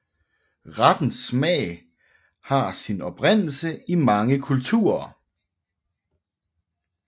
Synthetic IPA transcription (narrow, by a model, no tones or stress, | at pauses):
ʁad̥n̩smɛ̰ːɪ | hɑ̈sinɒ̽b̥ʁen̰l̩səimɑ̈ŋəkʰult͡sʰṵːɐ